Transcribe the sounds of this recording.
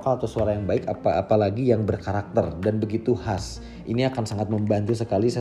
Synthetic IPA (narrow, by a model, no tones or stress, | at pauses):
kaat̪usuaɾajaŋbaɪkapa̰ːpalaɡijaŋbərkaɾak̚t̪ərdanbəɡit̪uhas | ʔiniakansaŋat̪̚məmbant̪usəkalisa